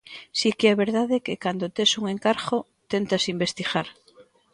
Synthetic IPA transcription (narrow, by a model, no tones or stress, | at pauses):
sikeɛβeɾðaðekekand̪ot̪esuŋeŋkaɾɣo | t̪ent̪asimbest̪ixaɾ